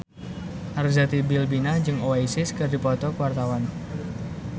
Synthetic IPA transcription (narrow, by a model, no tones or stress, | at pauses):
ʔarzat̪ibilbinad͡ʒɨŋoaisɪskɨrdipɔt̪ɔkəwart̪awan